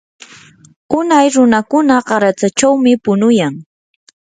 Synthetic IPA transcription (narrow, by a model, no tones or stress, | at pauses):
ʊnajɾʊnakʊnaɢɑɾat͡sat͡ʃawmɪpʊnʊjaŋ